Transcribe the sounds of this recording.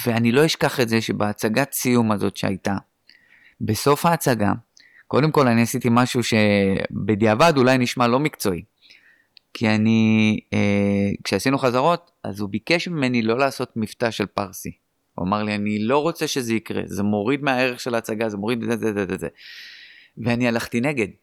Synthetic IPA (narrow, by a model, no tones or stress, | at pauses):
veanilo̞iʃkaχe̞tze̞ʃe̞beːt͡saɡasijumazo̞tʃea̰jta | be̞so̞fhaːt͡saɡa̰ | ko̞d̪emko̞laniasit̪imaʃuʃe̞bed̪iavadulajniʃmalo̞mikt͡so̞i | kʰianiekʃeasinuχazaʁo̞t̪ | a̰zubike̞ʃmime̞nilo̞laːso̞tmiftaʃe̞lpaʁsi | ṵa̰maʁlianilo̞ʁo̞t͡se̞ʃe̞ze̞ikʁḛzemo̞ʁid̪meae̞ʁe̞χʃelaːt͡saɡaze̞mo̞ʁid̪zezezezezḛ | veanialaχt̪ine̞ɡe̞d